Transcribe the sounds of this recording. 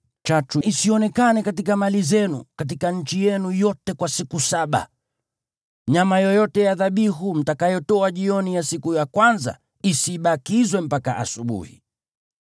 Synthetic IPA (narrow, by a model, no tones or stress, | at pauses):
t͡ʃatuisiɔnɛkanɛkatikamalizɛnṵkat̬ikaɲ̩t͡ʃijɛnujɔtɛkwasikusaɓa̰ | ɲamajɔjɔtɛjaðaɓiɦum̩takajɔtɔaʄiɔnijasikujakwanza̰ | isiɓakizwɛm̩paka̰ʔa̰suɓṵhḭ